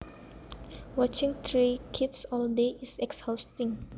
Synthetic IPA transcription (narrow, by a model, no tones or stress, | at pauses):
wɔt͡ʃĩŋt̪ʰɾikʰitsɔldeʔisɛkshawstĩŋ